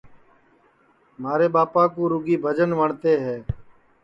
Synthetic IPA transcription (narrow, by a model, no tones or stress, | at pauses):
maːɾeːɓaːpãːkũːɾʊɡiːbʱəd͡ʒənʋəɳt̪eːɦɛː